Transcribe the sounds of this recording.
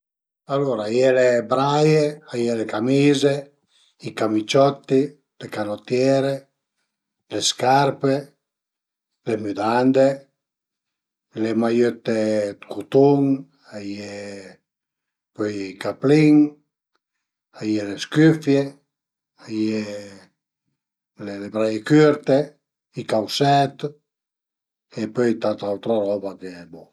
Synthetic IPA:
aloɾajelebɾajeajelekamize | ikamit͡ʃɔt̪ːi | d̪̥ekalot̪jɛɾe | leskaɾpe | lemyd̪and̪e | lemajøt̪ːekut̪uŋ | aje | pøjikapliŋ | ajeleskyfje | aje | lelebɾajekyɾt̪e | ikawsɛt̪ | epøjt̪at̪awt̪ɾoɾɔbakebɔ

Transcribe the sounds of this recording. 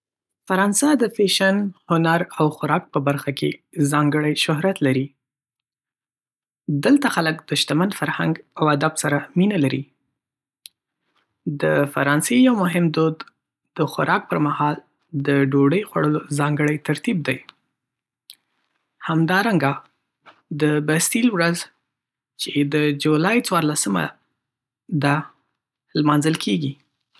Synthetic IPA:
faɾɑnsad̪əfeʃanhʊnaɾawxʊɾɑk̚pəbaɾxakʰe | zɑŋɡəɽajʃʊɦɾat̪laɾi | d̪əlt̪axaləkd̪̥əʃt̪amand̪faɾha̰ŋɡawad̪absaɾaminalaɾi | d̪əfaɾɑnsejawmʊɦɪmd̪od̪ | d̪əxa̰ɾʔɑk̚pəɾmahɑl | d̪əɖoɖəjxwa̰ɽəlozɑŋɡəɽəjt̪aɾt̪ib̚d̪aj | hamd̪ɑɾaŋɡa | d̪əbast̪ilwɾaz | t͡ʃed̪əd͡ʒulɑjt͡swɑɾlasəma̰ | d̪ɑ | lmɑnzəlkʰeɡi

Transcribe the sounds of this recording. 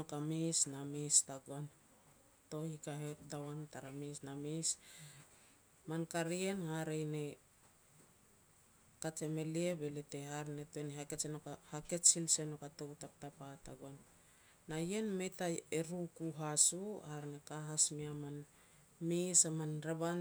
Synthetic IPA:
nokamisnamistaɡoan | to̞hikaɦetawantaɾamisnamis | mankaɾie̞nhaɾejne | kat͡ʃe̞me̞lie̞belete̞haɾne̞teneɦake̞senokahake̞t͡ʃsilse̞nokato̞wtap̚tapataɡoanː | aje̞nme̞jtaeɾukuɦasuhaɾnekaɦasmiaman | misamanɾeban

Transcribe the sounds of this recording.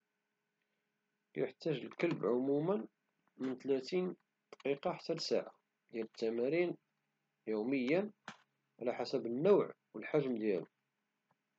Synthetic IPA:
jəħt̪ːæʒəlkəlbʕʊmumən | mənt̪læt̪in | d̪̥qiqɑħḁt̪ːælsaʕa | d̪jælət̪ːæmæɾin | juməjːæn | ʕlæħasæbənːæwʕ | wəlħaʒmd̪jæl

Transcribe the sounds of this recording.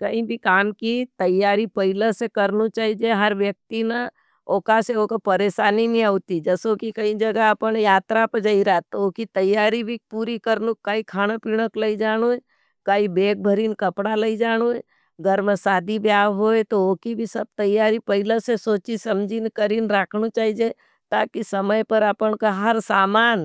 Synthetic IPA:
kɐɦĩbʱikaːmkit̪ɐjaːɾipɐɪləsekɐɾnut͡ʃaːɦid͡ʒeɦɐɾʋjək̚t̪ina | oːkaseokopɐɾeːʃaːniniaut̪id͡ʒəsokikɐĩd͡ʒɐɡaɐpənjaːt̪ɾapəd͡ʒaiɾat̪oːkit̪ɐjːaːɾibʱipuːɾikəɾnukaikʰaːɽ̃apiɽ̃əkləid͡ʒaːɽ̃ue | kaibeːk̚bʱəɾiːnkɐpɽaləid͡ʒaːɽ̃oe | ɡəɾməsaːd̪ibjaːʋɦoet̪ooːkibʱisɐb̚t̪ɐjːaːɾipɐɦɪlasesoːt͡ʃisɐmd͡ʒʱinkəɾiːnɾakʰnut͡ʃaːɦid͡ʒe | t̪aːkisɐməjpəɾəpənkaɦɐɾsaːmaːn

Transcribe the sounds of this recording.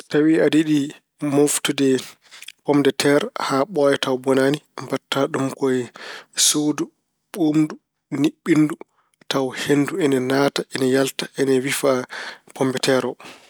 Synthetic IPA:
tawiadiɗi | moftudɛ | pɔmdɛtʰɛɾhaɓɔjɛtawbɔnanimbatːaɗumkɔjsodu | ɓomdu | niɓːindu | tawhenduɛnɛnaːtaʔɛnɛjaltaʔɛnɛwifapʰɔmbɛtɛɾɔ

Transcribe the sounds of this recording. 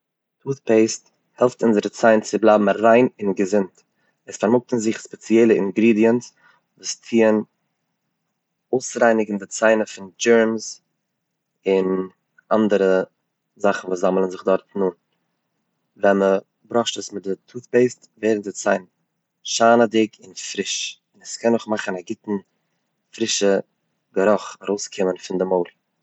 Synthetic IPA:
tʰuːθpeɪst | hɛlˠftʊnzəɾət͡saɪnt͡sɪblˠaɪbm̩ɾaɪnɪnɡəzɪnt | ɛsfaɾmʊk̚tn̩zɪχspɛt͡siɛɪlˠəɪŋɡɾiːdiəns | vuːstʰiːən | oʊsɾaɪnɪɡn̩dɪt͡saɪnəfɪnd͡ʒɛɹms | ɪn | ʔandəɾə | zaχn̩vuːszamlˠənzɪχdɔɾtnuːn | vɛmə | bɾɔʃtəsmɪt̚dɪtʰuːθbeɪstveɪɾn̩dɪt͡saɪn | ʃaːnədɪkʰɪnfɾɪʃ | ɪnɛskʰɛnʊχmaχənaɡɪtn̩ | fɾɪʃə | ɡəɾɔχaɾoʊskʰɪmənfɪndɪmoʊlˠ

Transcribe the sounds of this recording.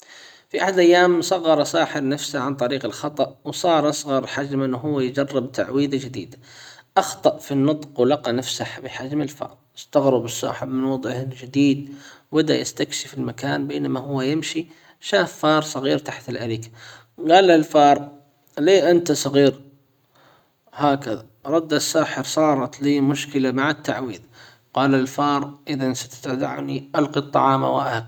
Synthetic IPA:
fiʔaħad̪ʔajːaːmsˤɑɣːɑɾˤɑsˤɑːħɪɾnafsaʕant̪ˤɑɾiːqɪlxɑt̪ˤɑʔwsˤɑːɾˤʔɑsˤɣɑɾˤħad͡ʒmʔɪnːɦʊwːajd͡ʒɑrˤːɪbt̪ʰaʕwiːd̪ad͡ʒɪd̪ḭːd̪aʔɑxt̪ˤɑʔfinːɨt̪ˤqwlɑqɑnafsaħbɪħad͡ʒmɪlfɑ̰ːɾˤʔɪst̪aɣɾɪbɨsˤːɑ̰ːħɪbmɪnwɑd̪ˤʕɪhɪld͡ʒɪd̪iːd̪wɪd̪a̰jɪ̰st̪akʃɪfɪlmakaːnbeːnamahʊwːajɪmʃi | ʃaːfːɑːɾˤsˤɑɣiːɾt̪aħt̪ɪlʔaliːkḁ | ɡɑːlalfɑːɾˤ | leːʔant̪asˤɑɣiːɾ | haːkaða | ɾˤɑd̪ːasːaːħɪɾsˤɑːɾˤɑt̪liːmʊʃkɪlamaʕɪt̪ːa̰ʕwiːð | qɑːlalfɑːɾˤʔɪðansḁt̪ḁt̪ad̪a̰ʕniʔalqit̪ˤːɑ̰ʕɑːma̰waʔaha

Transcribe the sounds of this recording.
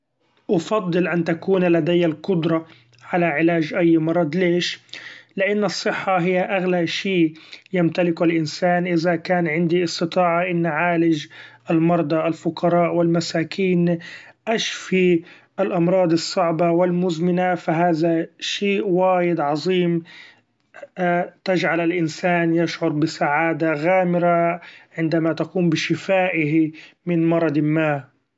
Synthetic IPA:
ʔɑfɑd̪ˤːɨlʔant̪akuːnlːad̪ajːalqʊd̪ɾˤɑ | ʕalaʕɪlaːʒʔajːmɑɾˤɑd̪ˤleːʃlɪʔanːɑsˤːɨħːɑɦɪjːaʔaɣlaʃiːʔjamt̪alɪklʔɪnsaːnʔɪzakaːnʕɪnd̪iɨst̪ɨt̪ˤɑːʕɑʔɪnːʕaːlɪd͡ʒʔalmɑɾˤd̪ˤɑʔalfʊqʰɑɾˤɑːʔwɪlmasaːkʰiːnʔaʃfi | ʔalʔɑmɾˤɑːd̪ˤɨsˤːɑʕbɑwɪlmʊzmɪnafaɦaːðaʃeːʔwaːjɪd̪ʕɑzˤiːm | t̪ad͡ʒʕalɪlʔɪnsaːnjaʃʕʊɾˤbɪsaʕaːd̪aɣaːmɪɾaʕɪnd̪amat̪aquːmbɪʃɪfaːʔɪɦimɪnmɑɾˤɑd̪ˤmːaː

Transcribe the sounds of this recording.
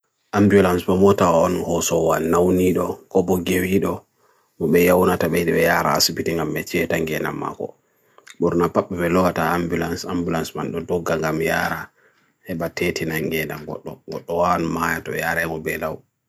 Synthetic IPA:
ʔambjulansɓɔmɔtawaɔnhɔsɔwanawniɗɔkɔbɔɡewiɗɔ | mɔɓɛjawnataɓɛjɗɛɓɛjaːɾa̰a̰sibitiŋɡamːɛt͡ʃɛtaŋɡɛna̰mːa̰kɔ̰ | ɓuɾnapaɓɛbɛlɔwataambulansambulansmanɗɔdɔɡːaŋɡamja̰ɾa | hɛɓatetinaŋɡɛnamɡɔ̰ɗːɔ̰ɡɔɗːɔwanmajatɔjaɾɛmɔbɛlaw

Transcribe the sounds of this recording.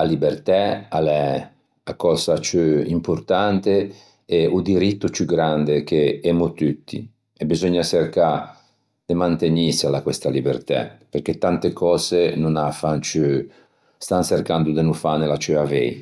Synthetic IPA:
alibert̪ɛalɛ | akɔːzat͡ʃyimport̪ant̪e | eud̪iɾit̪ːut͡ʃuɡɾand̪ek̟eɛmut̪ut̪ːḭ | ebizɔɲːaserka | d̪̥emant̪enisalakwest̪alibḛrt̪ɛ̰perket̪ːant̪ekʰɔːzenunafant͡ʃy | st̪anserkand̪ud̪enufanelat͡ʃyavɛ̰j

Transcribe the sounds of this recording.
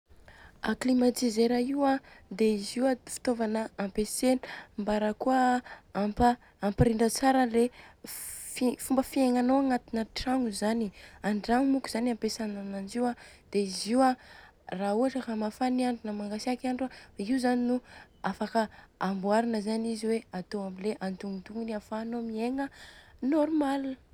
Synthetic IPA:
aklimat̪izeɾaiwad̪eiziwafi̥t̪ovanəampesenmbaɾəkuəampaː | mpiɾiɳɖ͡ʐət͡saɾəle | fifumbəfieŋanowaŋat̪inəʈ͡ʂaŋuzaniaɳɖ͡ʐaŋumukuz̥anampesanananziwa | d̪̥eiziwa | rauaʈ͡ʂəkamafaniaɳɖ͡ʐunəmaŋɡasakiaɳɖ͡ʐaiuzaninu | afakəambuaɾinəzaniziweat̪oamileʔant̪uŋint̪uŋiniafaːnomieŋənoɾmal

